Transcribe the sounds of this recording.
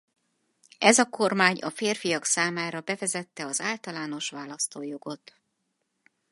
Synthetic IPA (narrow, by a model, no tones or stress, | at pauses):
ɛzɒko̞rmaːɲɒfeːrfijɒksaːmaːɾɒbɛvɛzɛt̪ːɛɒzaːlt̪ɒlaːno̞ʃʋaːlɒst̪oːjo̞ɡo̞t̪